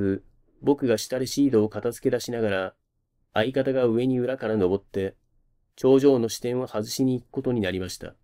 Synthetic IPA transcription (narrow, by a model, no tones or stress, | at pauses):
ɨ | bo̞kɯ̟ɡaɕi̥t̪aɾeɕiːd̪o̞ːkat̪azɨ̥ke̞d̪aɕinaɡaɾaː | ikat̪aɡaɯ̟e̞ɲ̟iɯ̟ɾakaɾano̞bo̞t̪ːe̞ | t͡ɕo̞ːʑo̞ːno̞ɕi̥t̪ẽ̞ɰ̃βahazɨɕiɲ̟iːkɯ̟̥ko̞t̪o̞ɲ̟inaɾʲimaɕi̥t̪a̰